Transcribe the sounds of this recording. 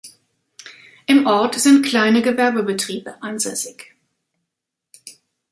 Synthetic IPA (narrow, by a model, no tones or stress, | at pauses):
ʔɪmʔɔɐtz̥ɪntkl̥aɪnəɡəvɛɐbəbətʁ̥iːbəʔanzɛsɪç